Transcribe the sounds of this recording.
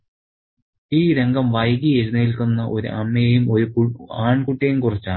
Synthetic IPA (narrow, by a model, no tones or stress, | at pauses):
iːɾe̞ŋɡɐmʋɐjɣied͡ʑnɐjilkunːɐʔo̞ɾṵʔɐmːejejumo̞ɾukaːɳkuʈːijejumkurit͡ɕːaː